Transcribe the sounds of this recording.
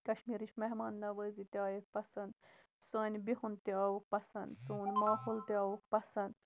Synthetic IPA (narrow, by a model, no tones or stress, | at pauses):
kɐʃmiːɾiʃmɐɦmaːnːɐʋəzit̪iaːjikpɐsɐnd̪ | saːnʲbihunt̪iaːwuk̚pɐsɐnd̪suːnmaːhult̪iɐːwukpɐsɐnd̪